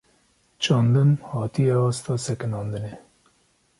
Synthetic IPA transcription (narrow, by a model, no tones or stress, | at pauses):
t͡ʃʰɑːnd̪ɨmhɑːt̪ijɛɑːst̪ɑːsɛkɨnɑːnd̪ɨne